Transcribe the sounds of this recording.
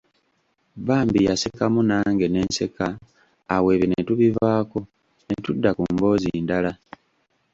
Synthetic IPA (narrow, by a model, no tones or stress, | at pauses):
baːmbijasekamunaːŋɡe̞ne̞ːnse̞kaː | we̞ːβenetuβivaːko̞ | ne̞tudːakumbo̞ːziːndala